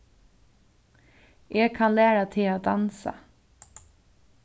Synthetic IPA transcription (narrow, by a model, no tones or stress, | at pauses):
ʔeːɡ̚kʰanlæːɾat̪ʰɪlad̪ansa̰